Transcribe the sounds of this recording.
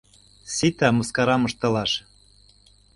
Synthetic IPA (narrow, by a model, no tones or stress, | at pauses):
sit̪æmɤ̆skɑɾɑmɤ̆ʃt̪ɤ̆lɑʃ